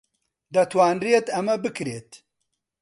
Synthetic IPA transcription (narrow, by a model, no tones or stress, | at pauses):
d̪ɐt̪ʰwaːnriet̪ɐmɐbɨkɾeːt̪